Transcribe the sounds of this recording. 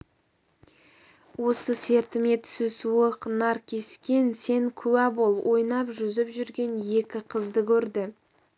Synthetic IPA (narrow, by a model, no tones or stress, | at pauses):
wo̞səse̞ɾt̪ɪme̞t̪ʏ̥sʏsuəqnɑɾkʲʰe̞skʲe̞nse̞ŋkʲʰʉwæbo̞lˠwʔo̞jnɑpʒʏzɪpʒʏɾɡʲe̞nje̞kʲɪqʰəzd̪əkʲʰɵɾd̪ɪ